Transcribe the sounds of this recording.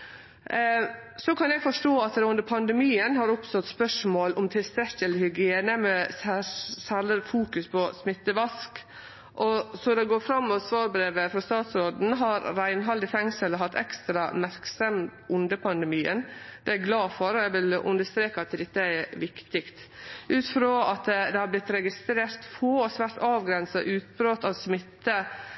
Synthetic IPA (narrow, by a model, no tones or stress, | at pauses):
sɔkʰɑnjɛɡfɔʂʈoːɑt̪ʉnd̪əɾpʰɑnd̪ɛmiːənhɑɾʊpst̪ɔt̪spœʂmoːlɔmt̪ʰɪlst̪ɾɛçːələhʏɡɪeːnəmɛsæsæɾləɾfuːkʉspʰɔsmɪt̪ːəʋɑsk | ʔɔsɔd̪ɛɡoːɾfɾɑmːɔʋsʋɑːɾbɾeːʋəfɾɑst̪ɑːt̪sɾoːd̪n̩ɦɑɾɾæɪnɦɑld̪ɪfɛŋsəlɦɑt̪ːʰɛ̰kst̪ɾɑmæɾksɔmʔʊnd̪əpʰɑnd̪ɛmiːənd̪̥ɛæɾɡlɑːfɔɾɔæʋɪlʉ̰nd̪əst̪ɾeːkɑɑt̪d̪ɛt̪ːəæʋɪkt̪ɪkt̪ʔʉːt̪fɾoːɑt̪d̪ɛhɑblɪt̪ɾɛɡɪst̪ɾeːɾt̪foːɔsʋæːɾʈɑːʋɡɾɛnsɑʔʉːt̪bɾoːt̪ɑʋsmɪt̪ːə